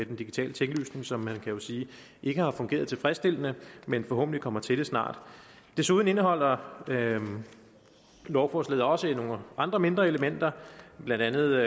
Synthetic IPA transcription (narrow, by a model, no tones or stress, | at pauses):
med̥end̥iɡi̥t͡sʰɛ̰ːlət͡sʰeŋɡ̥əly̰ːsne̝ŋsɒ̽mhænkʰæjo̝siː | ʔe̝ɡ̥əhɑ̈fɔ̽ŋɡ̥e̝̰ːɐðˠt͡sʰe̝lfʁɛsd̥e̝l̰ənəmenfɒɦɔ̰̽b̥̚n̩d̥i̥kʰɒ̽m̰ɐt͡sʰe̝d̥e̝snɑ̰̈ːd̥ | d̥e̝suːð̞ˠn̩e̝nəɦɒ̽l̰ɐ | lɒʊfɒːslɛ̰ːðˠɒ̽səino̝ŋʔɑ̈nd̥ʁɐme̝nd̥ʁɐe̝ləmen̰d̥ɐb̥lænd̥ænð̞̩ˠ